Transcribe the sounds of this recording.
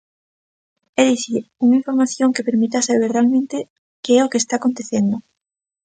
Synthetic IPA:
eðiθiuŋaiɱfoɾmaθjoŋkepeɾmit̪asaβ̞eɾrealmẽnt̪e | keɛokeːst̪akont̪eθend̪o

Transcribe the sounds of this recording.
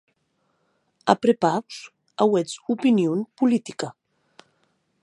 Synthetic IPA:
a̰pɾepaws | awɛt͡supinjunpulit̪ika

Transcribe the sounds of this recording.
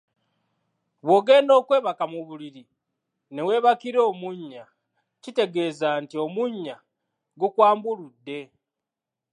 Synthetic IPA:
βwo̞ɡe̞ːndo̞ːkwe̞ːβakamuβuliɾi | ne̞we̞ːβakiɾo̞ːmuɲːa | cite̞ɡe̞ːzaːntiomuɲːa | ɡukwaːmbuludːe̞

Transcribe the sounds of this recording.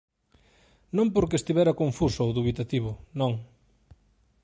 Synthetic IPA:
nõmpoɾkest̪iβɛɾɐkoɱfusoowðuβit̪at̪iβ̞ʊnõŋ

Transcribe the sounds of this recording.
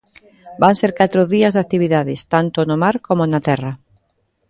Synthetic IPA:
banseɾkat̪ɾoðiazðat̪iβ̞iðaðɪst̪ant̪onomaɾkomonat̪ɛrɐ

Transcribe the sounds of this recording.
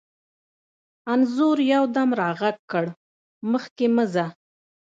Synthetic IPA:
anzʊɾjawd̪amɾɑɣaɡkːəɽ | məxkeməza

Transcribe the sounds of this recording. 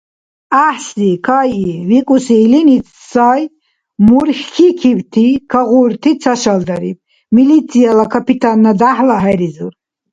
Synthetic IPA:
aħsikʰajivikʼusiːlinit̪ʰ | saj | muɾχʲkʰikʰivt̪ʰikʰaʁuɾt̪ʰit͡sʰaʃald̪aɾḭb̚ | milit͡sʰijalakʰapit̪ʰanːad̪aħlaɦaɾizṵr

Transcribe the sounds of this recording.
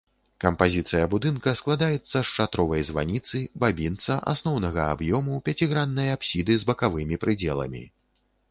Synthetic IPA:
kɐmpazʲit̪sɨjɐbud̪ɨnkɐsklˠad̪ajɛt̪sːɐʂt͡ʂat̪ɾɔvɐjzva̰nʲit̪sɨbabʲint̪sɐʔa̰snɔwnɐɣɐa̰bjɔmupʲat͡sʲiɣɾanːɨjɐapsʲid̪ɨzbɐkavɨmʲipɾɨd͡zʲɛlˠɐ̰mʲḭ

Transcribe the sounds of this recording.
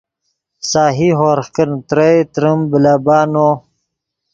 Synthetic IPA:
saːɦiɦoːɾxkənt̪ɾəjt̪ɾəmbilaːbaːnoː

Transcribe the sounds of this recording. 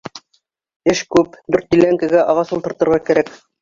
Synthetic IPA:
ɘʃkʉpd̪ʉɾt̪̚ːilæŋkæɡæʔɑʁɑsult̪ɤ̆ɾt̪ɤ̆ɾʁɑkæɾæk

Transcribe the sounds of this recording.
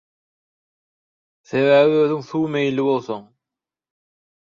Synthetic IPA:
θe̞βæβiøːðyŋθuːmejlːiβo̞lˠθoɴ

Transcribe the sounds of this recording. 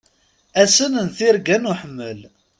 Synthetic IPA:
æsənənθɪɾɡænuħəmːəl

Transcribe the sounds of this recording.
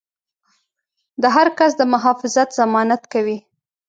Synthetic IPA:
d̪əɦaɾkasd̪əmʊɦɑfɪzat̪z̥amɑnat̪kawi

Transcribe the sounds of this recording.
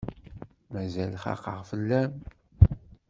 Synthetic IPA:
mæzælχɑ̰qəʁfəlːæm

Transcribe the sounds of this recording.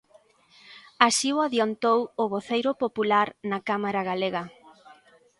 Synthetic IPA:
asiwaðjont̪owʊβoθejɾʊpopulaɾnakamaɾaɣaleɣɐ

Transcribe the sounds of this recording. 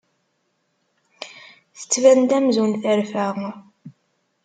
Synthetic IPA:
θə̥t͡sːvænd̪æmzwənθæɾfæʁ

